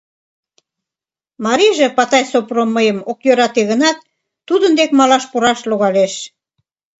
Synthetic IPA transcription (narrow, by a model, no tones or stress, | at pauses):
mɑɾiʒĕpɑt̪ɑjsopromːəjəmokjøɾɑt̪eɣənɑt̪̚ː | ud̪ənd̪ekmɑlɑʃpuɾɑʃluɣɑleʃ